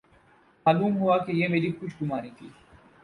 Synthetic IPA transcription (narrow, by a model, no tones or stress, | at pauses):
maːluːmɦʊaːkejeːmeːɾiːkʊt͡ʃʰɡʊmaːɾĩːt̪ʰḭː